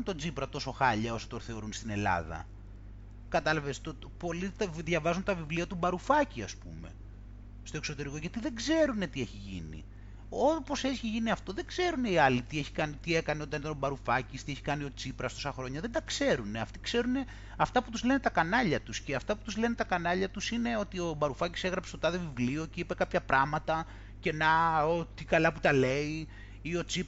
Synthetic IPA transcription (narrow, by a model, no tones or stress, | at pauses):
nt̪o̞d͡zipɾɐt̪o̞so̞xɐʎɐo̞sot̪oɾθe̞o̞ɾunst̪ine̞lɐ̰ðɐ̰ | kɐt̪ɐlɐvest̪o | po̞lit̪vðʝɐvɐzunt̪ɐvivliɐt̪ubɐɾufɐciɐspume̞̰ | st̪oekso̞t̪e̞ɾikoʝɐt̪iðeɡze̞ɾune̞t̪ieçiʝḭnḭ | opo̞seçiʝiniɐft̪o̞ðe̞ɡze̞ɾune̞iɐlit̪ie̞çi̥kɐnit̪ie̞kɐneot̪ɐnit̪ɐnobɐɾufɐcist̪ie̞çikɐnio̞t͡sipɾɐst̪o̞sɐxɾo̞ɲɐðend̪ɐkse̞ɾune̞ɐft̪i̥kse̞ɾune̞ | ɐft̪ɐput̪uzle̞net̪ɐkɐnɐʎɐt̪usceɐft̪ɐpu̥t̪uzle̞ne̞t̪ɐkɐnɐʎɐt̪usine̞o̞t̪io̞bɐɾufɐcise̞ɣɾɐpsest̪ot̪ɐðevivlio̞ceipe̞kɐpçɐpɾɐmɐt̪ɐ | ce̞nɐot̪ikɐlɐput̪ɐle̞i | io̞t͡sip